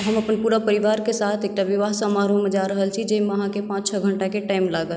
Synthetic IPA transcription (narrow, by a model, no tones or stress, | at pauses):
ɦəməpənpuɾapəɾiʋaɾkesat̪ʰek̚ʈaʋiʋaɦsəmaɾumed͡ʒaɾəɦəlt͡ʃʰid͡ʒemeəɦãkepãt͡ʃt͡ʃʰəɡʱəɳʈakeʈaimlaɡə